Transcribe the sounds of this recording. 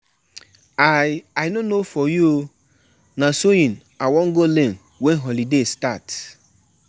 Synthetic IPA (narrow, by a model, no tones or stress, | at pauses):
ajajnonofɔju | nasoĩn | awɔŋ̩ɡolen | wɛnɦɔlidestat